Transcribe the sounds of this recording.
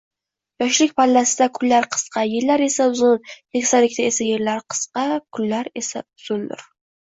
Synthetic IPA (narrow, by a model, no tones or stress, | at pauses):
jɒʃlɪkʲpʰalːasɪd̪akʰʊlːaɾqʰɨ̥sqɑjeɾlaɾe̞saʊzʊnj̪ekʲsalɪkʲt̪aesajeɾlaɾqʰɨ̥sqɑkʰʊlːaɾe̞saʊz̥ʊnd̪ʊ̰ɾ